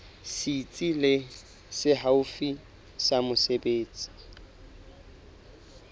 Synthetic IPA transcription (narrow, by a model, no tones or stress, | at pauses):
sit͡sʼilɪ | sɪɦaʊfi | samʊsebeːt͡sʼi̥